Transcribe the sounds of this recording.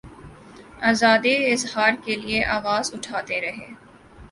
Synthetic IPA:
aːzaːd̪iɪzɦaːɾkelieʔaːʋaːzʊʈʰaːt̪eɾɐɦeː

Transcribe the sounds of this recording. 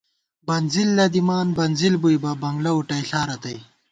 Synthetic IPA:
bɐnzilːɐd̪imaːnbɐnzilbujbɐbɐŋɡlɐuʈɐjɬaːɾɐt̪ɐj

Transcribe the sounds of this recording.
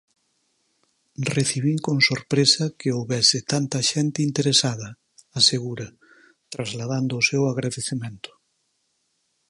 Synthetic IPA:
reθiβiŋkoŋsoɾpɾesɐkɪowβɛsɪt̪ant̪ɐʃɛnt̪ɪint̪eɾesaðɐ | aseɣuɾɐ | t̪ɾazlaðand̪ʊːsewaɣɾaðeθemẽnt̪ʊ̥

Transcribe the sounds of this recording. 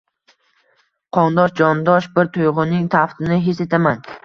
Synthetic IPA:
qʰɒnd̪ɒʃd͡ʒɒnd̪ɒʃbɪɾt̪ʰʊjʁʊnɪŋt̪ʰaft̪ɪnɪɦese̞t̪ʰaman

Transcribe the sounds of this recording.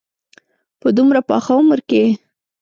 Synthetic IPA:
pəd̪umɾapɑ̰xaʊməɾke

